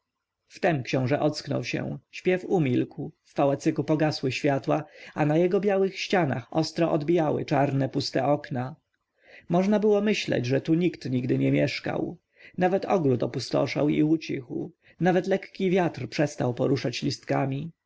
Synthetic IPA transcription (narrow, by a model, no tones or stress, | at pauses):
ft̪ɛmkɕɔ̃w̃ʐɛʔɔt̪sknɔ̰wɕɛ̰̃ɕpʲjɛfumʲilkwfːawɛt̪sɘkupɔɡaswɘɕfʲjat̪waanajɛɡɔbʲjawɘxɕt͡ɕana̰xɔst̪ɾɔʔɔd̪bʲijawɘ̰t͡ʂaɾnɛpust̪ɛʔɔkna | mɔʐnabɘwɔmɘɕlɛ̰d͡ʑʐɛt̪uɲikt̪ɲiɡd̪ɘɲɛmʲjɛʂka̰w | navɛt̪ɔɡɾut̪ɔpust̪ɔ̰ʂa̰wiut͡ɕḭxw | navɛt̪lɛkkʲivʲjat̪rpʂɛst̪awpɔɾuʂat͡ɕlʲist̪kamʲi